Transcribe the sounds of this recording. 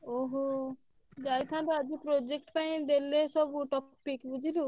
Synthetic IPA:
oɦo | d͡ʒajt̪ʰãt̪ead͡ʑipɾod͡ʒek̚ʈpaj̃d̪elːesɔbuʈɔpikbud͡ʒʱilu

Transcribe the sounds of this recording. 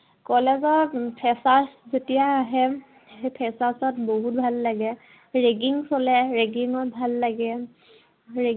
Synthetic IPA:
kɔlɛzɔpʰɛsaszetijaːɦɛ | pʰɛsasɔtboɦut̚bʱalːaɡɛ | ɹeɡiŋsɔlɛɹeɡiŋɔt̚bʱalːaɡɛ | ɹe

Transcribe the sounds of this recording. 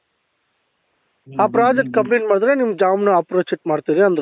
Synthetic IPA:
aːpɾaːd͡ʒek̚ʈ̚kɐmbenʈmaːɽd̪ɐɾenimd͡ʒaːmnɐɐpɾoːt͡ʃeʈ̚maːɽt̪iːɾiɐnd̪ɐɾ

